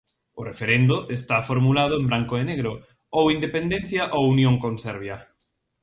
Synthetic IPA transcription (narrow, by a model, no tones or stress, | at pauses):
ʊrefeɾend̪ʊʔest̪afoɾmulað̞ʊẽmbɾaŋkoeneɣɾo | owind̪epend̪ẽnθjaʔowunjõŋkõnsɛɾβ̞ja